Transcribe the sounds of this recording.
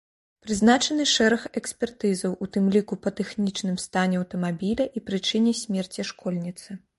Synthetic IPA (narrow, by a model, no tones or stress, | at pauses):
pɾɨznat͡ʂɐnɨʂɛɾɐxɛksʲpʲɛrt̪ɨzɐwut̪ɨmlʲikupɐt̪ɛxnʲit͡ʂnɨmst̪anʲɛɐwt̪ɐmabʲilʲɐʔipɾɨt͡ʂɨnʲɛsʲmʲɛrt͡sʲiʂkɔlʲnʲit̪sɨ